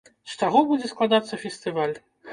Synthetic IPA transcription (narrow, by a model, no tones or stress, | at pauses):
st͡ʂaɣɔbud͡zʲɛsklˠad̪at̪sːɐfʲɛsʲt̪ɨvalʲ